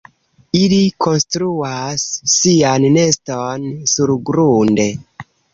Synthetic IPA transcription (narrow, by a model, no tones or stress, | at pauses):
ilikʰo̞nstɾuasːianːe̞stonsuɾɡɾunde̞